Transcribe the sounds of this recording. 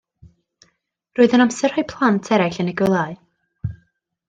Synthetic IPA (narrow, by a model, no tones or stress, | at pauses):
roːɨðənamsɛr̥hɔɨpʰlˠantʰɛɾaɬənɪɡəlˠaɨ